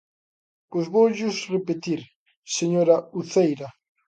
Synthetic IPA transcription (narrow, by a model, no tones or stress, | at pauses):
pojzβowʎʊsrepet̪iɾ | seɲoɾɐuθejɾɐ